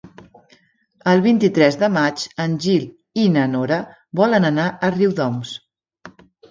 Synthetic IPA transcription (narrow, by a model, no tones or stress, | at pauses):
əlˠβint̪it̪ɾɛzðəmat͡ʃənʲʒil | inənoɾə | βɔlənənaʔəriwðɔms